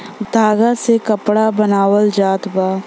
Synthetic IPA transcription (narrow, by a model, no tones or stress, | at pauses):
d̪ʱaːɡasekɐpɽabɐnaːwəld͡ʒaːt̪baː